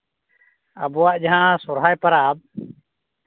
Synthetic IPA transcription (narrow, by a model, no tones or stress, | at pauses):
a̰bɔwaʔd͡ʒaɦãsɔɾɦajpaɾab̚